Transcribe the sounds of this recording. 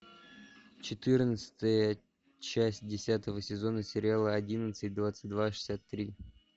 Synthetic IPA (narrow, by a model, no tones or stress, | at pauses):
t͡ɕɪt̪ɨrnət̪sə̥t̪əjə | t͡ɕæsʲt̚ʲdʲɪsʲat̪əvəsʲɪzo̞nəsʲɪɾʲɪalˠəɐdʲinət̪sɨt̚ʲd̪vat̪sɨ̥t̚ʲd̪vaʂɨ̥sʲat̪ːɾʲi